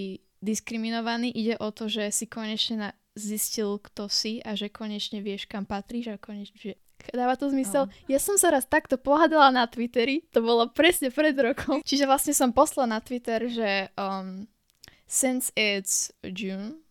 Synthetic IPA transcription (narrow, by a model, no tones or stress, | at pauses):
i | d̪iskɾiminɔʋaniʔiɟɛʔɔt̪ɔʒɛsikɔɲɛt͡ʃɲɛna | ziscilkt̪ɔsiaʒɛkɔɲɛt͡ʃɲɛʋɪɛʃkampat̪ɾiːʒakɔɲɛt͡ʃɲɛʒɛ | d̪aːʋat̪ɔzmisɛljasɔmsaɾat̪t̪akt̪ɔpɔɦad̪alanat̪ʋit̪ɛɾit̪ɔbɔlɔpɾɛsɲɛpɾɛd̪ɾɔkʰɔmt͡ʃiʒɛʋlasɲɛsɔmpɔslalnat̪ʋit̪ɛɾʒɛm | sɛnsɛt͡sd͡ʒun